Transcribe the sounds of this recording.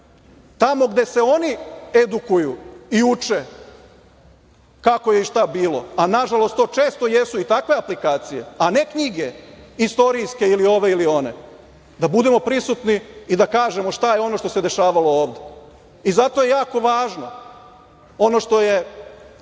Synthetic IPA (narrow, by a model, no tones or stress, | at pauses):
t̪amo̞ɡd̪e̞se̞o̞nied̪ukujuiut͡ʃe | kako̞jeiʃt̪abiːlo̞̰anaʒalo̞st̪o̞ːt͡ʃe̞ːst̪o̞jesuit̪akʋe̞aplikaːt̪sije̞̰ane̞kɲiɡe̞ist̪o̞ɾijske̞ilio̞ʋe̞ilio̞ne̞̰ | d̪abud̪e̞mo̞pɾisut̪niid̪akaːʒe̞moʃt̪ajeo̞no̞ʃt̪o̞se̞d̪e̞ʃaːʋalo̞oːʋd̪e | izat̪o̞je̞jaːko̞ʋaːʒno̞̰ | o̞no̞ʃt̪o̞je̞